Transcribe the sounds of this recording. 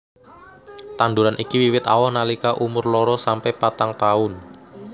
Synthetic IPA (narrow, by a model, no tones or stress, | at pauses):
t̪and̪uɾanʔikiwiwɪt̪awɔhnalikaʔumʊrlɔɾɔsampɛpat̪aŋt̪aʊn